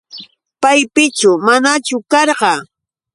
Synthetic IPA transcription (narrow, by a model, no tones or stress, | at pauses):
pajpɪt͡ʃʊmanat͡ʃʊkɑɾɢɑ